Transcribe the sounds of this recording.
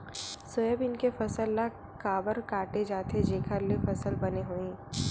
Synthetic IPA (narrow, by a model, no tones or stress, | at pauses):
sojəbɪnkefɐsəlːa | kaːbəɾkaːʈed͡ʒaːt̪ʰed͡ʒeːkʰəɾlefɐsəlbɐneɦuĩː